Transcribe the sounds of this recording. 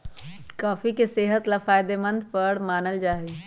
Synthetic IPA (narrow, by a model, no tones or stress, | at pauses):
kaːfikeseːɦət̪lafaːɪd̪emə̃nd̪pəɾmaːnəld͡ʒaːɦeː